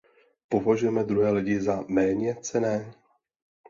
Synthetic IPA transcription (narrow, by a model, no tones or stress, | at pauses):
po̞vaʒujɛmɛd̪ɾuɦɛːlɪɟɪzamɛːɲɛt͡sɛnɛː